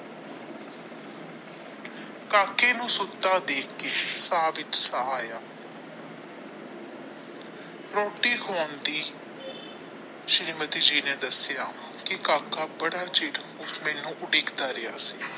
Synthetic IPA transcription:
kaːkeːnũːsʊt̪ːãːd̪eːkʰkeːsaːʋɪt͡ʃsəɦaːjaː | ɾɔːʈiːkoːnd̪iː | ʃɾiːmət̪id͡ʒiːnɛ̃ːd̪əsjaː | kɪkaːkaːbəɽaːt͡ʃeːʈ | umɛːnũːʔʊɖɪːkd̪aːɾɪja̰ːsiː

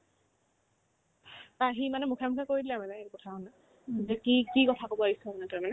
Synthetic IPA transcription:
taɦimanɛmukʰamukʰakoɹidilɛmanɛekɔtʰaɔna | zɛkikikɔtʰakobɔaɦisɛmanɛtɔmanɛ

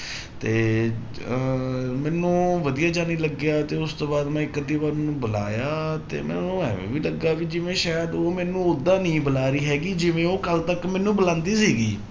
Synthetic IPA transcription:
t̪eː | mɛːnũːʋəd̪ijaːd͡ʒaːniːləɡjaːt̪eːʊst̪oːbaːd̪mɛ̃ːɪkːəd̪iːbaːɾmɛːnũːbəla̰ːjaːt̪ḛːmɛ̰ːnũːɛ̰̃ːʋḛ̃ːʋiːləɡaːʋiːd͡ʒɪʋẽːʃaːjəd̪oːmɛːnũːʊd̪ːãːnĩːbəlaːɾiːɦɛːɡiːd͡ʒɪʋẽːoːkəlt̪əkmɛ̃ːnũːbəlãːnd̪iːsiːɡiː

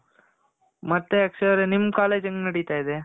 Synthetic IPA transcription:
mɐt̪ːeɐksɐɾenimːkaːleːd͡ʒɐŋɡenɐɽit̪aːjid̪e

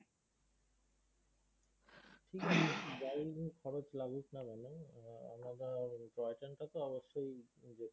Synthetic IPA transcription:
ʈʰikbajŋkʰɔɾot͡ɕlaɡuknabɛnoa̰mnad̪aɾʈɾɔjʈanʈat̪oɔboʃːojd͡ʑe

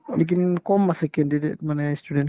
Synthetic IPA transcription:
lik̬inkɔmːasɛkɛndidet̪̚manast̪udɛn

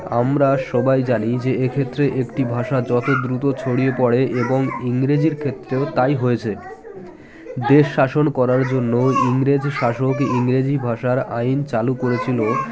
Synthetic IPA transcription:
a̰mɾaʃɔbajd͡ʑanid͡ʑeekʰet̪ːɾeʔekʈibʱaʃad͡ʑɔt̪od̪ɾut̪ot͡ɕʰoɽijepɔɽeʔeboŋiŋɾed͡ʑiɾkʰet̪ːɾeot̪ajɦoet͡ɕʰe | d̪eʃːaʃonkɔɾaɾd͡ʑonːoiŋɾed͡ʑʃaʃokiŋɾed͡ʑibʱaʃaɾaint͡ɕalukoɾet͡ɕʰilo

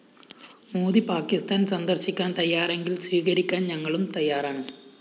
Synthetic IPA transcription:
muːðipaːkist̪aːnsɐnd̪ɐrɕikʲːaːnt̪ɐjːaːɾe̞ŋɡilsʋiːɣɐɾikʲːaːnɲɐŋːɐɭumt̪ɐjːaːɾaːɳɨ

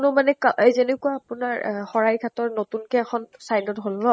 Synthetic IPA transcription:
nʊmanɛkaʔejzenɛkuaːpʊnaɹxɔɹajkʰatɔɹnotunkɛɛkʰɔnsajdɔtɦolnɔ

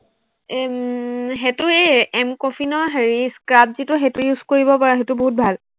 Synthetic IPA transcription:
ɦetʊeɛmkɔfʰinɔɹɦeɹiskɹap̚zitʊɦetujuzkoɹibɔpaɹɛɦetʊboɦut̚bʱal

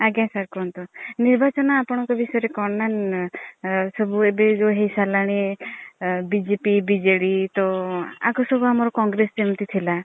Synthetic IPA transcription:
aɡãsaɾkɔnt̪uniɾbat͡ʃɔnɔapɔɽ̃ɔ̃ŋkɔbisɔeɾekɔɾnan | sɔbuebed͡ʒoɦejsalaɽ̃e | bid͡ʒepibid͡ʒeɽit̪ɔa̰kusɔbuamɔɾɔkɔŋɡɾesd͡ʒeũnt̪it̪ʰila

